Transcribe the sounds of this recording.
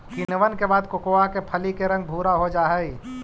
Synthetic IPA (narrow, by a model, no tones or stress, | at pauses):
kinʋənkebaːd̪kokoakepʰəlikeɾɐ̃ŋɡ̚bʱuːɾaɦod͡ʒaːɦɛi